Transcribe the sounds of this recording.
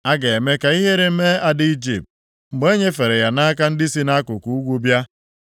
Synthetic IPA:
a˦ɡe˨e˨me˦ka˨i˦ɦe˦ɾe˨m̩˦me˦a˦dɪ˦i˦d͡ʒi˨p̚t̚ | ŋ͡m̩˨ɡ͡be˦ɲe˦fe˨ɾe˨ja˨na˦ka˦n̩˦di˦si˦na˦kʊ˨ku˨u˦ɡʷu˦bja˦

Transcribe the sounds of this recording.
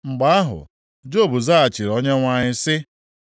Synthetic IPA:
ŋ͡m̩˨ɡ͡ba˨a˦ɦʊ̰˨ | d͡ʒo˦˨bu˨za˦a˨t͡ʃi˨ɾo˦ɲe˦ŋʷa˦ɲɪ˦sɪ˦

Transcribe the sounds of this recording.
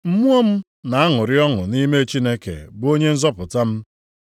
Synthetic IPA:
m̩˦mu˦ɔ˦m̩˦ | na˨a˦ŋʊ˨ɾɪ˦ɔ˦ŋʊ˨ni˦me˦t͡ʃi˦ne˦kḛ˨bo˦ɲe˦n̩˦zɔ˦pʊ˨ta˦m̩˦

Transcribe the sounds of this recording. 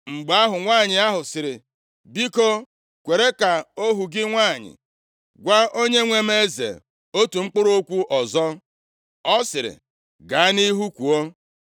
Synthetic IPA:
ŋ͡m̩˨ɡ͡ba˨˦a˦ɦʊ˨ŋʷaː˦˨ɲɪ˨a˦ɦʊ˨sɪ˨ɾɪ˨ | bi˦ko˦ | kʷe˨ɾe˦ka˨o˦ɦu˨ɡɪ˦ŋʷa˦˨ɲɪ̰˨ | ɡʷa˦o˦ɲe˦ŋʷe˦m˦e˦zḛ˨ | o˦tu˨ŋ͡m̩˦k͡pʊ˦ɾo˦kʷu˦ʔɔ˨zɔ˦ | ɔ˦sɪ˨ɾɪ̰˨ | ɡa˨a˦ni˦ɦu˦kʷu˨o˦

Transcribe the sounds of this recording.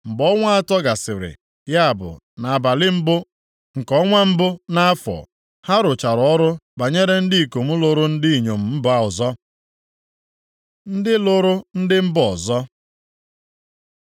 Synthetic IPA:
m̩˨bɔ˦ŋʷa˦a˦˨tɔ˦ɡa˨sɪ˨ɾɪ̰˨ | ja˦a˨bʊ̰˨ | na˨a˨ba˨lɪ˦m̩˦bʊ˦ | ŋ̩˨kɔ˦ŋʷa˦m̩˦bʊ˦na˦a˦fɔ̰˨ | ha˦ɾʊ˨t͡ʃa˨ɾɔ˦ɾʊ˦ba˨ɲe˦ɾe˦n̩˦dɪ˦i˨ko˨m̩˦lo˦ɾʊ˦n̩˦di˦i˨ɲo˨m̩˨m̩˦ba˦˨ɔ˨zɔ˦ | n̩˦dɪ˦lʊ˦ɾʊ˦n̩˦dɪ˦m̩˦bɔ˨zɔ˦

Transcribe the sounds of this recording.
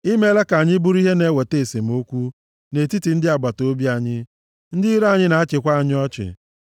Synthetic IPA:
i˦me˦le˦ka˨ɲɪ˦bu˦ɾi˦ɦe˦ne˨˦˨we˨te˦˨se˨m̩˨˦o˦kʷu˦ | ne˨ti˦ti˨n̩˦dɪ˦a˨ɡ͡ba˨to˦bi˦a˨ɲɪ˦ | n̩˦dɪ˦ɾa˦˨ɲɪ˦na˨a˦t͡ʃɪ˨kʷa˦a˨ɲɪ˦ɔ˦t͡ʃɪ̰˨

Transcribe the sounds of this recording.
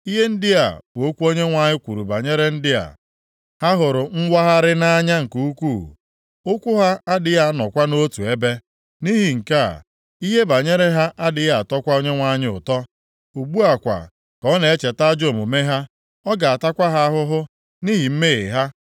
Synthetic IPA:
i˦ɦe˦n̩˦dɪ˦a̰˨bʊ˨o˦kʷu˦o˦ɲe˦ŋʷa˨ɲɪ˦kʷu˨ɾu˨ba˨ɲe˦ɾe˦n̩˦dɪ˦a̰˨ | ha˦ɦʊ˨ɾʊ˨ŋ͡m̩˦wʷa˦ɦa˦ɾɪ˦na˦ɲa˦ŋ̩˨ku˦u˦kʷṵ˦˨ | ʊ˦kʷʊ˦ɦa˦a˦dɪ˨ja˦nɔ˨kʷa˦no˦tu˨e˦be˦ | ni˦ɦi˨ŋ̩˨ka̰˦˨ | i˦ɦe˦ba˨ɲe˦ɾe˦ɦa˦ʔa˦dɪ˨ja˦a˨tɔ˦kʷa˦o˦ɲe˦ŋʷa˨ɲɪ˦ʊ̰˨tɔ˦ | u˨ɡ͡bu˦a˨kʷa̰˨ | kɔ˦ne˨e˦t͡ʃe˨ta˦d͡ʒo˨mo˨me˦ɦa˦ | ɔ˦ɡa˨a˨ta˦kʷa˦ɦa˦ɦʊ˦ɦʊ˦ | ni˦ɦi˨m̩˦me˦ɪ̰˨ɦa˦

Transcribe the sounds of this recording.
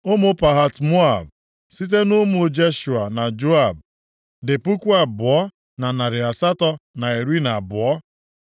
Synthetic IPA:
o˦mʊ˦pa˨ɦa˨tmo˦a̰˨b | si˦t̬e˦nʊ˦mʊ˦d͡ʒe˦ʃu˨a˨na˨d͡ʒo˦a˨b̚ | dɪ˨pu˦kʷu˦a˨bʊ˨ɔ˦ | na˨na˨ɾɪ˨a˨sa˦tɔ˦na˨e˨ɾi˦na˨bʊ˨ɔ˦

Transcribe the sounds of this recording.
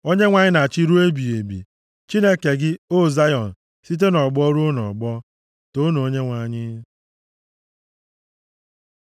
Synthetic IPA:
o˦ɲe˦ŋʷa˨ɲɪ˦na˨t͡ʃi˦ɾu˦e˦bi˨e˨bḭ˨ | t͡ʃi˦ne˦ke˨ɡɪ˦o˦˨za˦jɔ˨n̩˨ | si˦t̬e˦nɔ˨ɡ͡bɔ˦ɾu˦nɔ̰˨ɡ͡bɔ˦ | to˦no˨o˦ɲe˦ŋʷa˨ɲɪ˦

